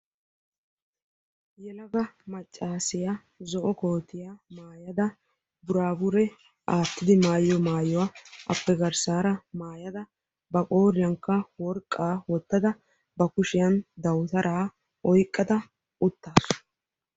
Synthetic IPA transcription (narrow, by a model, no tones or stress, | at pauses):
jɛlɐɡɐmɐt͡ʃʼːaːsɪja | zɔʔɔko̞ːt̪ːɪjamaːjɐd̪ɐ | bʊɾaːbʊɾɛ | ʔaːt̪ːɪd̪ɪmaːjːɔmaːjɔwaʔɐ̰pːɛɡɐɾsaːɾɐmaːjɐd̪ɐ | bɐkʼo̞ːɾɪjɐŋkːɐwɔɾkʼːaːwɔt̪ːɐd̪ɐ | bɐkʊʃɪjɐnd̪ɐwt̪ɐɾʔaː | ʔɔjkʼːɐd̪ɐ | ʔʊt̪ːaːs